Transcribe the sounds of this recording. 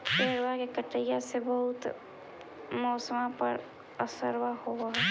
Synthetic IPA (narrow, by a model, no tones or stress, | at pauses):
peːɾwakekəʈːəjasebəɦʊt̪ | mɔːsəmãpə̰ɾ | əsəɾwahoɦɛ